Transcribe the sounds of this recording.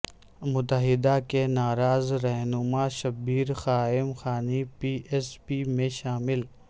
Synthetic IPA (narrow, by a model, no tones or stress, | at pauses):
mʊt̪əɦɪd̪akenaːɾaːzɾɛɦnʊmaʃɐbiːɾxaːɪmxaːnipiːʔespimẽʃaːmɪl